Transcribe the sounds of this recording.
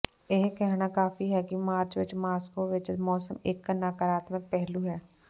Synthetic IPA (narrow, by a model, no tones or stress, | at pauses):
eɦkɛɦnakaːfiɦɛkimaːɾt͡ʃʋɪt͡ʃmaːskoʋɪt͡ʃmɔːsəmeːkːənaːkaɾaːt̪mẽpɛɦluɦɛː